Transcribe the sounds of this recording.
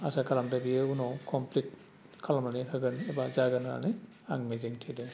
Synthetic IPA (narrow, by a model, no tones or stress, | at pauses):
asakʰalamtabiɛunɔwkʰɔmplit̚ | kʰalamaniɦɔɡɯnɛbazaɡana̰nɛ | a̰ŋmeziŋtʰidɛ